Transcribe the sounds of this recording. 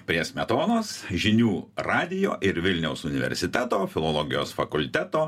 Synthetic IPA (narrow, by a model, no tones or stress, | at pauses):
pʲɾʲiɛsʲmʲɛt̪oːnoːsʒʲɪnʲuːɾɑːd̪ʲɪjo̰ːʔɪɾʋʲɪlʲnʲɛʊsʊnʲɪʋʲɛ̰ɾʲsʲɪt̪ʲæt̪oːfʲɪlˠolˠɔːɡʲɪjo̰ːsfɐkʊlʲt̪ʲæt̪oː